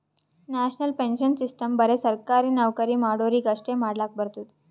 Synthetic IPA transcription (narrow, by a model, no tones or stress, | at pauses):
næɕnəlpenɕənsisʈəmbəɾesəɾkaɾiːnəʋkəɾiːmaɽoɾiːɡəʂʈemaɽlak̚bəɾt̪uːt̪